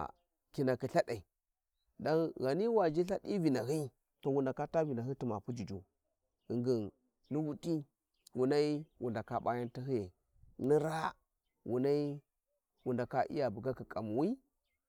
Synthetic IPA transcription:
ki˨na˨ki˨ɬa˦ɗa˨i˨ | da˦nɣa˨ni˦wa˨d͡ʒi˦ɬa˦ɗi˦vi˨na˨ɦi˦ | to˨wu˨nda˨ka˦ta˦vi˨na˨i˦ti˨ma˨pu˦d͡ʒi˨d͡ʒu˨ | i˨ŋɡi˨n | ni˦wu˦tʼi˦ | wu˨na˦i˦wu˨nda˨ka˦ɓa˦ja˦nti˦hi˦je˨ | ni˦ɾa˦ | wʔu˨na˦i˦ | wu˨nda˨ka˦ʔḭ˦ja˨bu˨ɡa˦ki˨kʼa˨mu˨wi˦

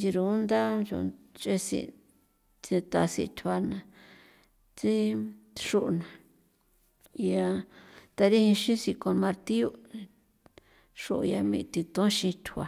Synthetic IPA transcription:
d͡ʒi˧ɾu˧˦nd̪a˦ʒo̰˧t͡ʃe˦sḭ˧ | t͡sĩ˧t̪a˧sḭ˧t̪ʰwa˧nã˧˨ | t͡si˦ʂu˦ʔnã˨˧ | ja˧t̪a˧ɾi˦hĩ˧ʃĩ˦si˧ko˧nmã˧ɾt̪i˦u˦ | ʂo˧ʔja˧mḭ̃˧t̪i˧t̪õ˦ʃĩ˧t̪ʰu˧a˧

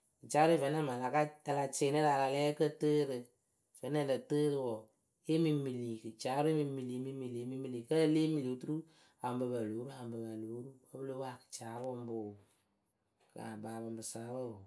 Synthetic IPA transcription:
kɨ˨t͡ʃaː˨˦ɾvɛ˨˦nɛ˦ma˨la˨˦ka˦ta˧la˧t͡ʃe˧˦nɨ˦ɾa˨˧la˧lɛː˦kə˦təː˦ɾɨ˧ | v̥ɛ˨nɛ˦˨dɨ˨təː˦ɾɨ˧wɔ˨ | e˦mi˧mi˨li˨kɨ˨t͡ʃaː˨˦ɾʊ˦e˦mi˧mi˧˨li˨˦mi˦mi˨li˨˦mi˦mi˧li˨kə˦ə˦le˦mi˨li˨˦tu˦ɾu˦ | a˨m˨bɨ˧ba˨loː˨˦ɾu˦a˨m˨bɨ˨ba˨loː˨˦ɾu˦kə˦bɨ˦loː˨˦a˨kɨ̥˨t͡ʃaː˨˦ɾwɔ˧m˦bo˨ | ka̰˨baː˨bɨ˨mbɨ˨saː˦ɾo˦˨

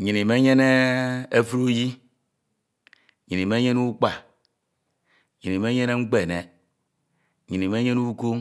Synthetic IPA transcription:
ɲi˨ni˨me˦ɲe˦ne˦e˦fu˦ɾu˦ji˦ | ɲi˨ni˨me˦ɲe˦nu˦k͡pa˨ | ɲi˨ni˨me˦ɲe˦ne˦ŋ͡m̩˦k͡pe˨ne˨ | ɲi˨ni˨me˦ɲe˦nu˦ko˦

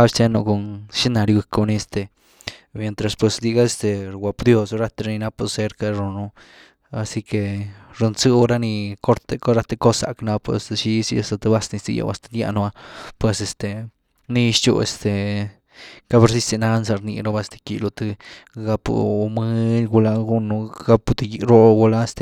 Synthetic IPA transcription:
ka˦bst͡ʃe˦nu˧ko˧nʃi˦na˧ɾi˧ɡu˧˨ko˧ni˧˦e˧st̪e˨ | mje˨nt̪ɾa˨spwe˨sd̪i˧ɡa˦e˧st̪e˨ɾwa˨pd̪jo˧sɾa˦t̪e˧ɾa˧ni˧na˦pu˧se˧ɾka˧ɾu˨nu˧ | a˧si˦ke˧ɾu˧nt͡sɨ˦o˦ɾa˦ni˧ko˦ɾt̪e˧ko˦ɾa˧t̪e˧ko˦sa̰˨kna˧po˧e˧st̪a˧ʃi˧si˧a˧st̪a˧t̪ɨ˧ba˦sni˧t̪ḭ˧jo̰˧a̰˧st̪a˧d̪ja̰˧ʔnu˧a˧pwe˧se˧st̪e˨ | ni˧ʃt͡ʃṵ˧ḛ˧st̪e˨ | ka˦be˧ɾsi˦si˧na˧ns̬a˧ɾnḭ˧ɾo˧ba˦˧st̪e̥˧kḭ˧lo˧t̪ɨ˧ɡa˦pṵ˧mɨ˦ɡu˧la˧ɡu˦nu˧ɡa˦pt̪i˧ji˧ɾo˧ɡu˧la˦e˧st̪e˧

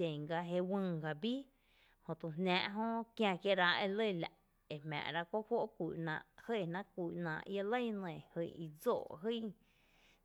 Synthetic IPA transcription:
ẽ˨ŋɡa˧ɦe˧wɨ̃ː˧ɡa˧biː˦ | hõ˨t̪ũ˨nnæ̃ː˧ʔɦõ˦kjã˧kje˦ɾa˧e˧lə˦˧˨la˨ʔ | e˨mã̰ː˨ɾa˧kʷo˦ʔhwo˦ʔkʷiː˨nã̰ː˧˨ʔhə˦˨nã˦kʷiː˨nã̰ː˧˨ʔja˧lə˦jnẽ˨hɨ˧˨i˧d͡zo̰ː˧˨ɦɨ˦

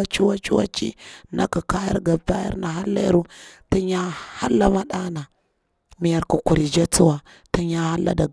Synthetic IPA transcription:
a˦t͡ʃu˦wa˦t͡ʃu˦wa̰˦t͡ʃḭ˦na̰˦ku˨ka˦ja̰˦ɾɡa˨ba˦ja̰˦ɾna˨ɦa˦lːa̰˦ɾu˦ti˦ɲa˦ha˦lːa˦ma˦ɗa˦na˨ | mi˦ja˦ɾku˨ku˨ɾi˨d͡ʒa˦t͡su˦wa˨ | tu˦ɲa˦ha˦lːa̰˦da˨

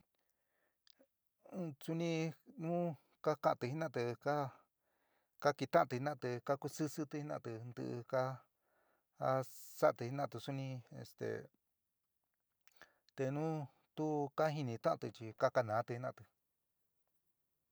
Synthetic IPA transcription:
su˦nĩ˧nũː˦ | ka˦kã˧ʔa˧t̪ɨ˧hi˦nã˦˨˧t̪ɨ˧ka˦ | ka˦ki˧t̪ã˦ã˧t̪u˧hi˧nã˦˧t̪ɨ˧ka˦ku˧sɨ˦sɨ˦t̪ɨ˧hi˦nã˦˧˨t̪ɨ˧nd̪ɨ̰˧ʔka˦ | sa˦ʔt̪ɨ˧hi˧˦nã˦˧˨t̪ɨ˧su˦nĩ˧ḛ˧st̪ḛ˨ | t̪e˧nũ˦ | t̪u˦ka˦ɦi˧nĩ˧t̪ã˦ʔã˧t̪ɨ˧t͡ʃi˧ka˦ka˧nã˨˦t̪ɨ˧i˧nã˧˨t̪ɨ˧

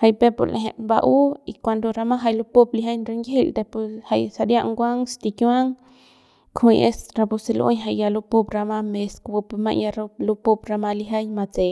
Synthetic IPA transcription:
ha˧jpe˦po̰˧ɾlʔḛ˧ɦḛ˧˨ʔba˧ʔu˦i˧kʷa˧nd̪o˧ɾa˧ma˦ɦa˧jlu˧po˦pli˧ɦa˦jnɾe˧ŋɡe˦ld̪e˧pu˧ha˧jsa˧ɾja˦ʔŋɡʷa˦ŋst̪i˧kjwa˦ŋ | kʰĩ˧jʔe˦sɾa˧pu˧se˧lo̰˦ɲɦa˧jja˧lu˧po˦˧pɾa˧ma˧me˧skbu˧pma̰˧ʔja˧ɾlu˧po˦bɾa˧ma˧li˧ɦa˦jma˧t͡se˨

